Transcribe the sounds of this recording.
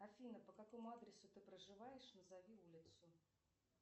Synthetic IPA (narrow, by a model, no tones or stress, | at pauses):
ɐfʲinəpəkako̞mʊad̪ɾʲɪsʊt̪ɨpɾəʐɨvajɪʂnəzavʲiulʲɪt̪sʊ